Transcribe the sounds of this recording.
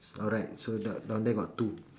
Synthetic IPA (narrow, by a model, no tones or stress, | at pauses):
ɔɹaɪt̚sodɔdɔ̃ndeɡɔttːu